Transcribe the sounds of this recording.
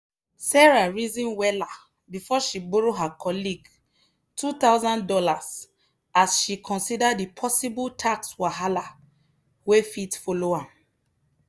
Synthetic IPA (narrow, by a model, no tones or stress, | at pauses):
sɛɹaɹizĩnwɛla | bifɔʃiboɹoɦakʰɔliɡ | tʰutawzãndɔlas | asʃikʰɔ̃nsidadipʰɔsibultʰakswaɦala | wefitfoloãm